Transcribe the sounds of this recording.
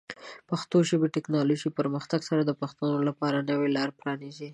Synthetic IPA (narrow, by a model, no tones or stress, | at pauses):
paxt̪oʒəbeʈɛknɑloʒipəɾməxt̪aɡsaɾad̪əpaxt̪anolapɑɾanəwelɑɾpɾɑnizi